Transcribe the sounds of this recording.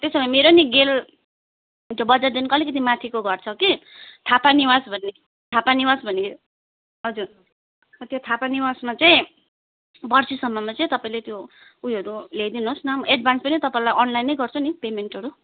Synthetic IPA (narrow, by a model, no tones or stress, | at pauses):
t̪esʌbimeɾoniɡel | t̪obʌd͡zard̪inkoʌlikʌt̪̬ʰimat̪ʰikoɡʌrt͡sʰʌki | t̪ʰapaniwasbʱʌnːe | t̪ʰapaniwasbʱʌne | ɦʌd͡zur | t̪jot̪ʰapaniwasmat͡saĩ | bʌrsisʌmːʌmat͡sʌĩt̪ʌpaĩlet̪joujɦʌɾulejd̪inosnʌmeɖbʱanspʌnit̪ʌpaĩlajʔʌnlajnejɡʌrt͡sʰʌnipemeɳʈʌɾu